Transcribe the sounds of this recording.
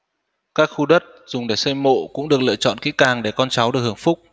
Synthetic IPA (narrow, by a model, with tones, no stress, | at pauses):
kaː˦˥k̚xu˧ɗə˦˥t̚z̥ʊ˨˩ŋ͡mɗe˧˩sə˧jmo̰˧˨kʊ̰˧˥ŋ͡mɗɨ˨˩ək̚lɨ̰˧˨t͡ɕɔ̰˧˨nkḭ˧˥kaː˨˩ŋɗe˧˩kɔ˧nt͡ɕa˨˦wɗɨ˨˩ək̚ɨ˨˧˩ə˨ŋfʊ˦˥k͡p̚